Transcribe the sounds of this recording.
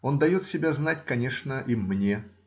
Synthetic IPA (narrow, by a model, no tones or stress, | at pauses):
o̞nd̪ɐjo̞t̪sʲɪbʲaznatʲkɐnʲe̞ʂnəʔimnʲe̞